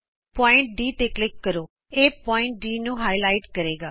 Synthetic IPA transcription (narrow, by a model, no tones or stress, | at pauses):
pɔːɪ̃ɳʈ̚ɖiːt̪eːklɪkːəɾoː | eːpɔːɪ̃ɳʈ̚ɖiːnũːɦaːilaːɪʈkəɾeːɡaː